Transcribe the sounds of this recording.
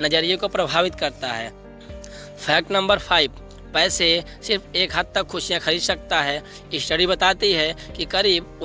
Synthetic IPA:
nɐd͡ʒəɾijõkopɾɐbʱaːʋɪt̪kɐɾt̪aɦɛː | pʰɛːk̚ʈnɐ̃mbəɾpʰaːɪb | pɛːse | sɪɾpʰeːkɦɐd̪̚t̪ɐkxʊʃijãxʰɐɾiːd̪sɐk̚t̪aɦɛː | ɪsʈəɽibɐt̪aːt̪iɦɛkikɐɾiːbʊ

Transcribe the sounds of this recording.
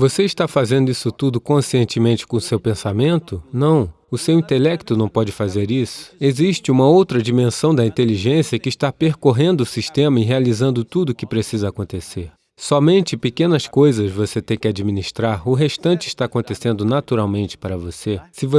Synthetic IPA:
voseɪʃt̪afazẽnd̪ʊisʊt̪ud̪ʊkõsiẽnt͡ʃɪmẽnt͡ʃɪ̥kõsewpẽsamẽnt̪ʊnɐ̃w̃ | ʊsewĩnt̪elɛkt̪ʊnɐ̃w̃pɔd͡ʒɪfazeɾisʊ̥eziʃt͡ʃɪũmɐowt̪ɾɐd͡ʒimẽsɐ̃w̃d̪ɐĩt̪eliʒẽsiɐkɪːʃt̪apeɾkoɦẽnd̪ʊsiʃt̪ẽmɐɪɦealizɐ̃nd̪ʊt̪ud̪ʊkɪpɾesizɐakõnt̪eseɾ | sɔmẽnt͡ʃɪpekẽnɐskojzɐzvoset̪ẽj̃kɪad͡ʒiminiʃt̪ɾaɾʊɦeʃt̪ɐ̃nt͡ʃɪːʃt̪aakõt̪esẽnd̪ʊnat̪uɾawmẽnt͡ʃɪ̥paɾɐvosesɪvo

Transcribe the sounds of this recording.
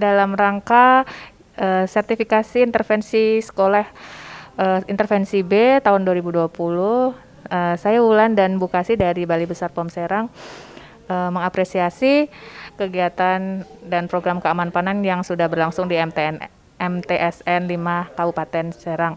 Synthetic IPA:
dalamraŋka | ʔəsɛrt̪ifikasiːnt̪ərfɛnsisə̥kolah | əint̪ərfɛnsibet̪aɦʊnduaɾibuduapulʊh | əsajaulandanbukasidaɾibalibəsarpɔmseɾaŋ | ʔəməŋapɾesiasikəɡiat̪andanpɾoɡɾamkəamanpananjaŋsudahbərlaŋsʊŋdi | ɛmt̪eʔɛsɛnlimakabupat̪ɛnseɾaŋ

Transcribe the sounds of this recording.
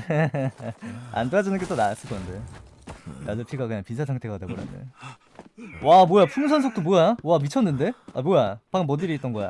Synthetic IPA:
a̰ndad͡ʑɯnɯnɡet͈onas͈ɯɭk͈ʌnde | nadɯɭpʰiɡakɯɲaŋpins̬ʰas̬ʰaŋtʰeɡadaboɾa̰ndḛ | wamojapʰuŋs̬ʰʌnsʰok̚t͈omojawamit͡ɕʰʌnːɯnde̞abojapaɡɯmʌdiɾiit͈̚ʌnɡʌja̰

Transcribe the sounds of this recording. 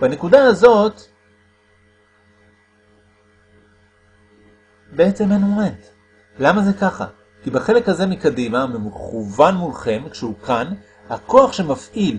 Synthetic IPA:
b̥ane̞kudaazo̞t̪ | beet͡se̞menoʁent̪ | lamaze̞kaχa̰ | kibaχe̞le̞khaze̞mikadimamimχuvanmulχe̞mkʃeukan | hako̞aχʃe̞mafʔil

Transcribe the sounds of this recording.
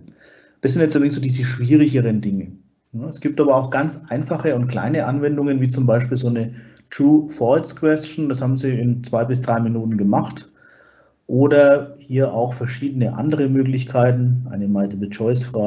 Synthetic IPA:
d̥as̬ɪntjɛt͡sʔɛɪŋsz̥oːdiːzəʃv̥iːʁɪçəʁəndɪŋə | nəɛsɡ̥iːp̚tʔaːbɐaʊxɡ̥ant͡sʔaɪnfaχəʊntkl̥a̰ɪnəʔanvɛndʊŋənviːt͡sʊmbaɪʃpiːlzoːnətʁ̥uːfɔskv̥ɛst͡ʃn̩dashaːbm̩ziːɪnt͡sv̥aɪbɪsd̥ʁaɪminuːtn̩ɡəmaχt | ʔoːdɐhiːɐʔa̰ʊxfɛɐʃiːdənəʔa̰ndəʁəmøːk̬lɪçkʰaɪtn̩ʔa̰ɪnəmaɪtəbət͡ʃɔʏsfʁ̥aː

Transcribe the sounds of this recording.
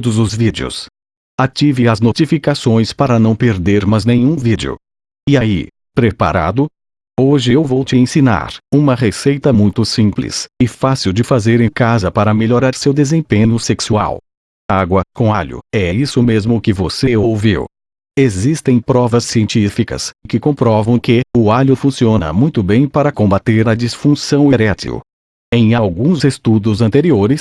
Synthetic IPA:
d̪ʊzʊzvid͡ʒɪʊ̰s | at͡ʃivɪɐznot͡ʃifikasõj̃spaɾɐnɐ̃w̃peɾd̪eɾmɐznẽjɲ̃ũvid͡ʒɪ̰ʊ̰ | iaḭ | pɾepa̰ɾa̰d̪ʊ | oʒɪewvowt͡ʃɪẽsina̰ɾũmɐʁesejt̪ɐmũj̃t̪ʊsĩplḭsɪfasiwd͡ʒɪfazeɾẽkazɐpaɾɐmeʎoɾaɾsewd̪ezẽpẽɲʊseksua̰w | aɡwɐkõaʎʊ̰ɛisʊmezmʊkɪvoseowvḭw | ezist̪ẽj̃pɾɔvɐsːiẽnt͡ʃifikɐ̰skɪkõpɾɔvɐ̃w̃kɪʊaʎʊfũsiõnɐ̰mũj̃t̪ʊbẽj̃paɾɐkõbat̪eɾɐd͡ʒisfũsɐ̃w̃eɾɛt̪ḭʊ̰ | ẽj̃awɡũzest̪ud̪ʊzɐ̃nt̪eɾioɾɪs

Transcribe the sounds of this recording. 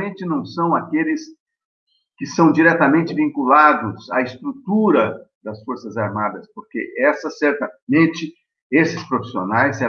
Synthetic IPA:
mẽnt͡ʃɪnɐ̃w̃sɐ̃w̃akelɪs | kɪsɐ̃w̃d͡ʒiɾɛt̪ɐmẽnt͡ʃɪvĩŋkulad̪ʊza̰ɪst̪ɾut̪uɾɐd̪ɐsfoɾsɐzaɾmad̪ɐspoɾkḛʔɛsɐsɛɾt̪ɐmẽnt͡ʃɪ | esɪspɾofi̥sio̰najse

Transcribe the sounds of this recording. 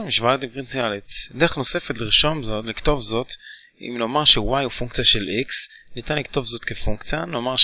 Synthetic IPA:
miʃvaat̪ivʁinsialet͡sd̪eeχno̞se̞fet̪liʁiʃo̞nzo̞tlikt̪o̞vzo̞t̪ | ḭmno̞maʁʃewajufuŋkt͡sijaʃe̞lʔiksnit̪anlikt̪o̞vzo̞t̪kefuŋkt͡sjano̞maʁ

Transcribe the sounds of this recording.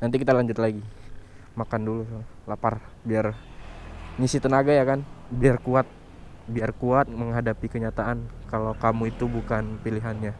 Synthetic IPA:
nant̪̬ikit̪alaɲd͡ʒʊt̪laɡi | makandulu | laparbiar | ɲisit̪ənaɡajakanbiarkuat̪̚ | biarkuat̪̚məŋɦadapikəɲat̪aʔankalakamuit̪ubukanpiliɦanɲa

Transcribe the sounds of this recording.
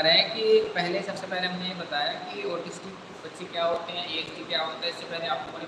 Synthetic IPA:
ɾɦɛ̃kipɛɦlesɐbsepɛɦlemɛːnejebɐt̪aːjakioːɾʈʰɪsʈi | bɐt̪ːʃikjaɦoːʈt̪eɦɛ̃eːesʈikjaɦoːt̪aɛɪsːepɛɦleaːp̚kooːɾe

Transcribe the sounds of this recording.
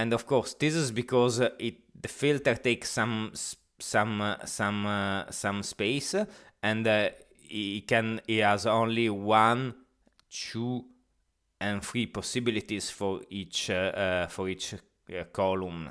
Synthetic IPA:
ɛ̃ndɔvkɔɹsd̪isizbikɔzi | d̪əfilt̪əɾt̪eksãms | sãmsãmsãmspeɪs | ɛ̃nd | kɛ̃nithɛzõnliwãn | tʰu | ɛ̃nfɹipɔsibilit̪izfɔɹit͡ʃ | fɔɹit͡ʃ | kʰɔlũm

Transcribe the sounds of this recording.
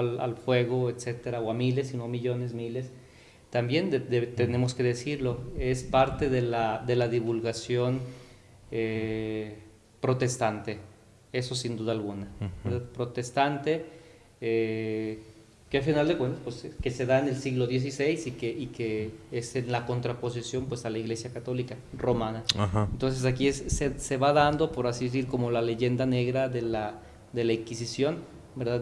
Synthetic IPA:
la̰lfwe̞ɣo̞et̪se̞t̪e̞ɾaoamile̞sːino̞miʝo̞ne̞zmile̞s | t̪ambje̞nd̪ed̪et̪ene̞mo̞ske̞ðe̞siɾlo̞e̞spaɾt̪e̞ðelad̪e̞laðiβulɣasjo̞n | e | pɾo̞t̪e̞st̪ant̪e̞ | e̞so̞sind̪uðalɣunaeɾðaðpɾo̞t̪e̞st̪ant̪e̞ | e | keafinald̪ekwe̞nt̪ḁspweseke̞se̞ðaene̞lsiɣlo̞ðje̞s̬ise̞jsikeʔikeesenlako̞nt̪ɾapo̞s̬isjo̞mpwe̞salaiɣle̞sjakat̪o̞lika | ro̞mãnaahaent̪o̞ns̬e̞s̬akiessese̞βaðand̪o̞po̞ɾasiðes̬iɾko̞mo̞lale̞ʝe̞nd̪ane̞ɣɾaðe̞la | ðe̞laiŋkisisjo̞n | be̞ɾðað

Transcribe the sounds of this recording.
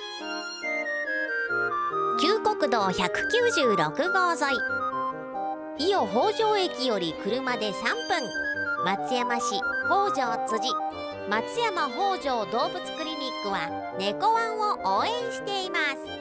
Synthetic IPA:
kʲɨːko̞kɯ̟d̪o̞ːçakɯ̟̥kʲɨːʑɨːɾo̞kɯ̟ɡo̞ːzo̞i | ijo̞ɦo̞ːʑo̞ːe̞kʲijo̞ɾʲikɯ̟ɾɯ̟mad̪e̞sãmpɯ̟̃ŋmat͡sɨjamaɕiho̞ːʑo̞ːt͡sɨʑi | mat͡sɨjamaɦo̞ːʑo̞ːd̪o̞ːbɯ̟t͡sɨ̥kɯ̟ɾʲiɲʲikːɯ̟βa | ne̞ko̞βãɰ̃o̞ʔoːẽ̞ɰ̃ɕi̥t̪e̞imasɨ̥

